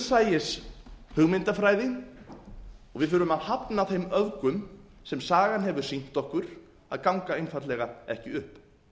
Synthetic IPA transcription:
saːjɪshʏɣmɪnt̪afɾaːjðɪn | ɔɣvɪðfʏːɾʏmaðhapnaðθejmœðkʏm | sɛmsaːɣanɦɛvʏɾ̥sin̥t̪ɔhkʏɾ̥ | a̰ðkawŋkaejnfat̪lɛɣaɛhcɪʏhp

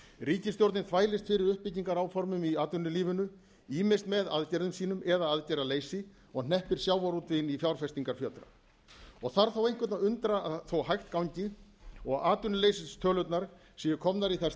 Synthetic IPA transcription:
riːcɪst̪jowɾt̪nɪnθvaːjlɪst̪fɪɾɪɾʏhpːɪciŋkaɾawfɔɾmʏmiaːt̪ʏnːʏliːvʏnʏ | iːmɪ̥st̪mɛðaðcɛɾðʏmsiːnʏmɛðaaðcɛɾaleːjsɪ | ɔɣnɛhpɪɾ̥sjaːwaɾuːt̪vɪɪnifjawɾ̥fɛst̪iŋkaɾ̥fjœt̪ɾa̰ | ɔɣθaɾ̥θawejŋ̥kvʏt̪naʏnt̪ɾaaθowɦajxt̪kawɲcɪɔɣaːt̪ʏnʏlejsɪst̪ʰœːlœt̪naɾ̥ | siːjɪkʰɔmnaɾiθɛs

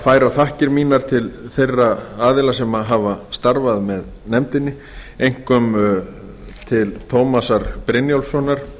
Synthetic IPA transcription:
faːjɾawθahcɪɾmiːnaɾ̥t̪ʰɪlθejrːaaːðɪlasɛmaɦavast̪aɾvaðmɛð | nɛmt̪ɪnːɪ | ejŋ̥kœm | t̪ʰɪlt̪ʰowmasaɾpɾɪnjowlsɔnːaɾ̥

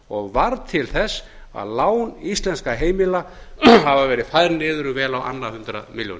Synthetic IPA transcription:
ɔɣvaɾt̪ʰɪlθɛsː | a̰ðlaːwnist̪lɛnskaɦeːjmɪla | ɦavavɛːɾɪðfajɾnɪːðʏɾʏvɛːlawʔa̰nːahʏnt̪ɾa̰miljo̰nɪ

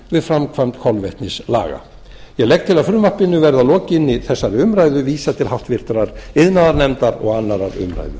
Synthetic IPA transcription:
vɪðfɾamkʰvajmt̪kʰɔlvɛht̪nɪsla̰ːɣa̰ | jɛɣlɛjk̚t̪ʰɪlaðfɾʏːmahpɪnːʏvɛɾðalɔːcɪnːɪθɛsːaɾʏmɾajðʏviːsat̪ʰɪlhaft̪vɪr̥t̪ɾaɾɪðnaðaɾnɛmt̪aɾɔ̰ɣanːaɾaɾʏ̰mɾa̰jðʏ̰

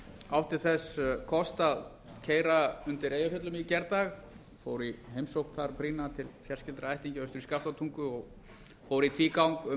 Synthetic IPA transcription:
awht̪ɪɾθɛskʰɔst̪að | cʰeːjɾaʏnt̪ɪɾeːjafœt̪lʏmicɛɾt̪aɣ | fo̰wɾiɦejmsowht̪θaɾpɾiːnat̪ʰɪlfjarscɪlt̪ɾaajht̪iɲcɪœst̪ʏɾiskaft̪at̪ʰuŋkʏɔɣ | foːwɾit̪ʰviːkawŋkʏ

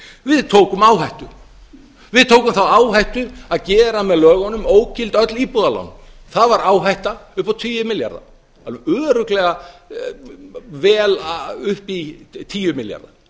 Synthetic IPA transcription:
vɪðt̪ʰoːwkʏmaːwɦajht̪ʏ | vɪðt̪ʰoːwkʏmθawaːwɦajht̪ʏaðcɛːɾamɛðlœːɣɔnʏmoːwcɪlt̪œt̪lipuðala̰nθaðvaɾaːwɦajht̪aʏhpawt̪ʰiːjʏmɪlja̰ɾða̰ | œːɾʏklɛɣa | vɛːlʏhpit̪ʰiːjʏmɪlja̰ɾða̰

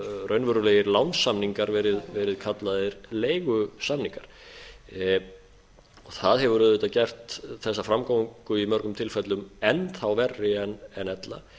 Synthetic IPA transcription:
rœɥnvœɾʏleːjɪɾlawnsːamniŋkaɾvɛːɾɪðvɛːɾɪðkʰat̪laðɪɾleːjɣʏsamniŋkaɾ̥ | ɔɣθaðɦɛvʏɾʏðʏt̪acɛr̥t̪θɛsːafɾamkowiŋkʏimœɾkʏmt̪ʰɪlfɛt̪lʏmɛnθawvɛrːɪɛnɛnɛt̪la̰

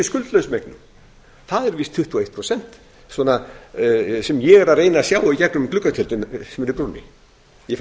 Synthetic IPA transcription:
ɪskʏlt̪lœɥsmɛknʏ | θaðɛɾvist̪ʰʏht̪ʰuːejt̪pʰɾosɛn̥t̪ | swɔːna | sɛmjɛɣɛɾareːjnasjaːwacɛknʏmklʏkːat̪ʰɪlt̪ɪnsɛmɛɾɪpɾuːnɪ̰ | jɛf

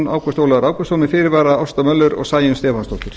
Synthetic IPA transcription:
na̰wkast̪oːwlaaɾaːwkɔsoːmɪfɪːɾɪɾvaːɾaɔwst̪amœlːʏɾɔ̰ɣsaːjʏnst̪ɛːfanst̪ɔht̪ʏɾ̥

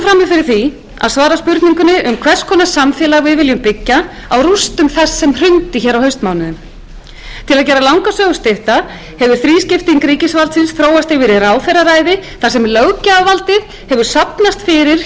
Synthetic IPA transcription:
fɾamːɪfɪɾɪɾ̥θi | a̰ðsvaːɾaspʏɾt̪niŋkʏnɪʔʏmkʰvɛr̥skʰɔːnasamfjɛːlaɣvɪðvɪljʏmpɪcːa | awrust̪ʏmθɛsːɛmr̥ʏnt̪ɪçɛːɾawhɦœɥst̪maːwnʏðʏm | t̪ʰɪlaðcɛːɾalawŋkasœːɣʏst̪ɪht̪a | hɛvʏɾ̥θɾiːscɪft̪iŋkɾiːcɪsvalt̪sɪnsθɾoːwast̪ɪvɪɾɪɾaːwθɛɾaɾaːjðɪθasɛmlœwcaːvalt̪ɪ | hɛvʏɾ̥sapnast̪fɪɾɪɾ̥

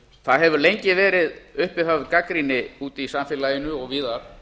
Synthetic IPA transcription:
θaðɦɛvʏɾlejɲcɪvɛːɾɪðʏhpɪfavkakɾinɪuːt̪isamfɪːlajɪnʏɔɣviːðaɾ̥

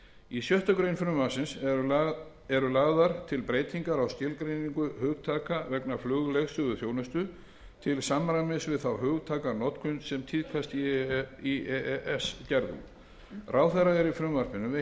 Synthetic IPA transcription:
isjœht̪akɾejnfɾʏmvasɪns | ɛɾʏlaːɣðaɾt̪ʰɪlpɾeːjt̪iŋkaɾawsc̪ɪlkɾejniŋkʏhœːɣt̪ʰaːkavɛknaflʏːɣlɛɣst̪ʏːðʏθjoːwnʏst̪ʏ | t̪ʰɪlsamɾamɪsvɪðθawhʏːɣt̪ʰaːkaɾnɔt̪kʰʏnsɛmt̪ʰiðkʰast̪iiɛɛʔɛscɛɾðṵ | rʔaːwθɛraɛɾifɾʏmvaɾpɪnʏm

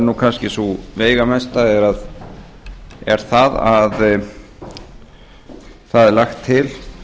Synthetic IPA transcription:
nuːkʰanscɪsuveːjɣamɛst̪aðɛɾað | ɛɾ̥θaða̰ð | θaðɛɾlaxt̪ʰːɪl

